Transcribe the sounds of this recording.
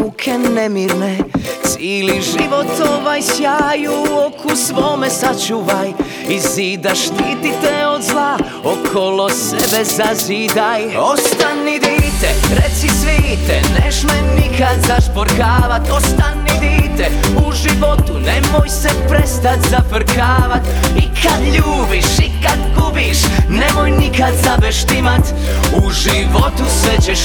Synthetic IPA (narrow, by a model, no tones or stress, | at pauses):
ukʰɛnemiɾnet̪siliʒiʋo̞t̪oʋajsjaːjuokʰusʋoːmɛsat͡ʃuʋaj | iziːd̪aʃt̪iːt̪it̪ɛo̞d̪zlˠa | okʰolo̞sɛbɛzaziːd̪ajost̪anːid̪iːt̪ɛɾet̪sisʋit̪ɛnesmɛnikad̪zaʃpoɾkaːʋat̪ost̪anːid̪iːt̪ɛ | uʒiʋo̞t̪unemojsepɾɛst̪at̪zafr̩kʰaːʋat̪ | ikʰad̪ʎuːbiʃikad̪ɡubiʃ | nemojnikad̪zabɛʃt̪imat̪ | uʒiʋo̞t̪usʋɛt͡ɕɛʃ